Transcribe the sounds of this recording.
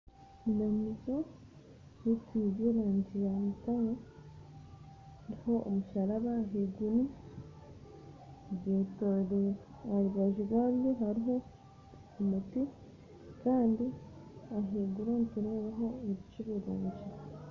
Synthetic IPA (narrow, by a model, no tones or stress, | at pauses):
inamizo | jetiβeɾaːɲɟijamitaɾo | ɾihoomuʃaɾaβaːɦeɡuni | βetoɾi | aɾiβaʒiɡaβjoɦaɾiɦo̞ | omuti | kaːndiaɦeɡunontuɾeβaɦo̞eβit͡ʃiβuɾuːɲɟi